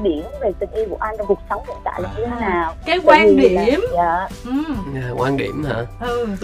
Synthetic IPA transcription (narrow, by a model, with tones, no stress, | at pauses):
ɗi˧˩ənve˨˩t̪ɨ˨˩ŋ̟ʔi˧vṵ˧˩˨ʔa˧jn˧˩ku˨˩ək̚sə˨˦wŋ͡mhḭ˧˨nt̪a̰ː˧˨jlaː˨˩ɲɨ˧t̪ʰe˨˦naː˨˩wkaː˨˦kwaː˧i˨i˨əmaː˧˩˨ | a˨˩kwaː˧nɗḭ˧˩əmha̰ː˧ɨ˧